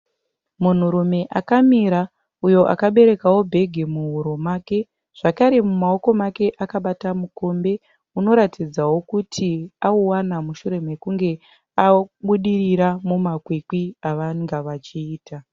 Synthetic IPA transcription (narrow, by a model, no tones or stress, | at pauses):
mun̤uɾume̞ʔakamiɾa | ujo̞ʔa̰kaɓe̞ɾe̞kawo̞bʱe̞ɡʱemuɦuɾo̞maːke̞ | ʐ̥akaɾe̞mumao̞ko̞make̞ʔakaɓatamuko̞mbe̞ | uno̞ɾatid͡zawo̞kutʰiauwanamuʃuɾe̞me̞kuŋɡe̞ | aɓuɗiriɾamumakwikwiaʋaŋɡaʋat͡ʃiːta